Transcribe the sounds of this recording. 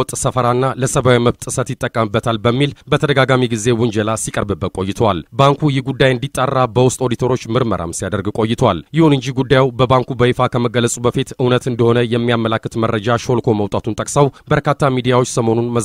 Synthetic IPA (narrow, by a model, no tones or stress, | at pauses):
t̪ʼsəfəɾanːaləsəβawiməβt̪ʼɨsət̪jɪt̪ʼːəkʼːəmɨbːət̪ʰalbəmːilbət̪ʰəd̪əɡaɡamiɡize̞wʊnd͡ʒəlasikʼəɾbɨbːət̪kʼo̞jːɪt̪ʰəwalbaŋkʰujɪhɡud̪ːajɨnd̪it̪ʼːarːabəwʊst̪ʼo̞d̪it̪ʰoɾo̞t͡ʃːmɨɾmə̰ɾʔa̰msijad̪əɾɡkʼo̞jːɪt̪ʰəwa̰ljɪhunɨɲd͡ʒiɡud̪ːajwbəbaŋkʰubəifakʰəməɡəlːəsʼubəfit̪ɨwnət̪ɨnd̪əho̞nəjɛmːijamːəlakːɨt̪mərːəd͡ʒaʃo̞lkʰo̞məwt̪ʼat̪unt̪ʼəkʼsəwbəɾkat̪ʰːamid̪ijawo̞t͡ʃːsəmo̞nunmə